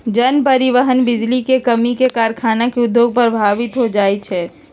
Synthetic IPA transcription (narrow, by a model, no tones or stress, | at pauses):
d͡ʒɐnpɐɾɪʋəɦənbɪd͡ʒlikekɐmikekaːɾkʰaːnakeʊd̪joːɡ̚pɐɾbʱaːbɪt̪ɦod͡ʒaːit͡ʃʰɛː